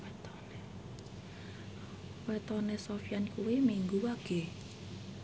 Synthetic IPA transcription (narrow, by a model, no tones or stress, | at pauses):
wɛt̪ɔne | wɛt̪ɔnesofjankuwimiŋɡuwaɡ̥e̤